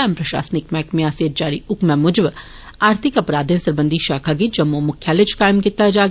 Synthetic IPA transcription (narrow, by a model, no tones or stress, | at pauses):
aːmpɾɐʃa̰ːsnɪkmɛːkmẽaseːt̪̚d͡ʒaːɾiʊkmɛ̃mʊd͡ʒb | aːɾt̪ʰɪkɐpɾaːd̪ẽnsɐɾbə̃nd̪ʱiʃaːkʰaɡid͡ʒɐmːumʊkʰjalet͡ʃʰkaːɪmkit̪ːad͡ʒaː